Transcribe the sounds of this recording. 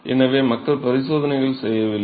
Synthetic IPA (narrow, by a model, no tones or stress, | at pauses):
ʔɛ̰nɐʋeːmɐkːɐɭpɐɾɪsoːðɐnɐɪɣɐɭsɛjːɐʋɪlː